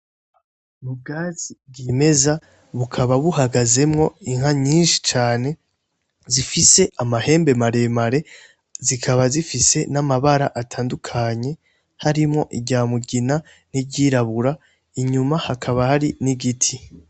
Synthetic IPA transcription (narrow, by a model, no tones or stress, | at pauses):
mub̚ɡaːzib̚ɡime̞za | βukʰaβaβuhaɡaze̞mŋo̞iŋ̥haɲiːnʃi̥t͡ʃaːne̞ | zifise̞ʔamahe̞ːmbe̞maɾe̞maɾe̞ | zikʰaβazifise̞namaβaɾaʔatʰaːndukʰaɲe̞ | haɾimŋo̞ʔiɡɟaːmuɡina | nibɟiːɾaβuɾa | iɲumahakʰaβahaɾiniɡitʰi